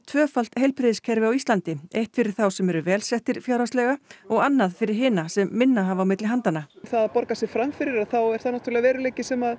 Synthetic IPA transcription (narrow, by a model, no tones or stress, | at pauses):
t̪ʰvœːfal̥t̪hejlpɾɪðɪskʰɛɾvɪawist̪lant̪ɪejht̪fɪɾɪɾ̥θawsɛmɛɾʏvɛːlsɛht̪ɪɾ̥fjawɾast̪lɛɣaɔɣanːaðfɪɾɪɾ̥ɦɪːnasɛmːɪnːaɦavaːwmɪt̪lɪɦant̪anaθaðpɔɾkasɪfɾamfɪɾɪɾaðθawɛɾθaðnaht̪yɾalɪɣavɛːɾʏlejcɪsɛmað